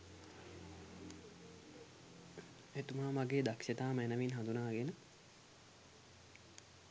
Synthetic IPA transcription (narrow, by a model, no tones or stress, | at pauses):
et̪umaːmaɡeːd̪akʃet̪aːmɛnəʋinɦand̪unaːɡenə